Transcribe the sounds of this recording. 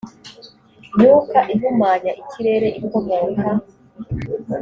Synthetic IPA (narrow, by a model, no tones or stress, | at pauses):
nuːkaʔivumaɲaʔicʰiɾe̞ɾe̞ʔikomoːŋɡa